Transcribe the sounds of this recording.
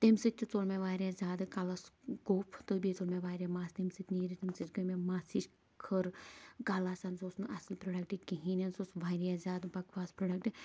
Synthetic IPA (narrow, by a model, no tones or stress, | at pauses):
t̪emsit͡ʃut͡solmeʋaːɾʲazʲaːd̪ɨkalaskoːpʰt̪ɨbiet͡solmeʋaːɾʲjamaːst̪emsit̪niɾit̪emsit͡ʃɡɐmemaːsiʃ | kʰəɾkaːlasɐnsoːsnɨʔɐslpɾoːɖɐk̚ʈikiɦinɐnsosʋaːɾijazʲaːd̪bɐkʋaːspɾoːɖɐk̚ʈ